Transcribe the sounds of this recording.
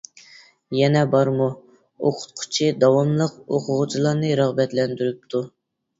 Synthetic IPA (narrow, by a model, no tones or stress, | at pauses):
jɛnɛbɑɾmu | oqʰʊ̥t̪̚qʰʊ̥t͡ʃʰid̪ɑwɑmlˠəq̚oqʰʊʁʊt͡ʃʰilˠɑɾnɨɾɑʁbɛt̪lɛnd̪yɾyp̚t̪ʰu